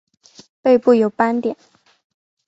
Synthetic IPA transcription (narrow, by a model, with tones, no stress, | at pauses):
pe˥˧ɪpu˥˩jo˨˩ʊpa˥nt̪jɛ˨˩˦n